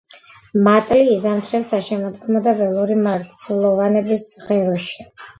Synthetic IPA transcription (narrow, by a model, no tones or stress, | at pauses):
mat̪ʼliːzamt̪ʰɾɛvsaʃɛmɔd̪ɡmɔd̪abɛlˠuɾimaɾt̪sʰlˠɔvanɛbisʁɛɾɔʃi̥